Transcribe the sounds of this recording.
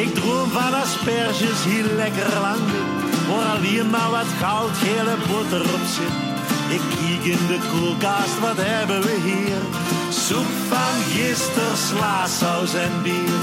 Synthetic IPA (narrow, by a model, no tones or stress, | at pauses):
ɪk̚droəmvanaspɛrʒəshiːlɛkərlaŋdə | ʋoːɾaliəmaʋɑtxawtheːləbʊtəɾɔpsɪt | ɪk | iːkɪndəklukaːstʋɑtɦɛbənʋəɦiːr | su | fanjɪstərslaːsɔwzɛnbiːr